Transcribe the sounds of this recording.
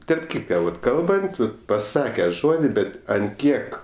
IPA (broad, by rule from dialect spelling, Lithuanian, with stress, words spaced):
tɐrp ˈkʲiːtkɐ ʋɐt ˈkɐlˠbɐnt ˈʋɐt pɐˈsɑːkʲɛ ˈʒoːdʲɪ ˈbʲɛt ɐnt ˈkʲiɛk